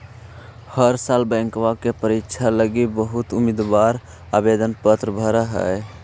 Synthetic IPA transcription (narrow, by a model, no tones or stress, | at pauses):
həɾsalbə̃ŋkwakepəɾikt͡ʃʰaləɡibəɦut̪umid̪ʋaɾ | abed̪ənpət̪ɾəbʱəɾəɦə̰j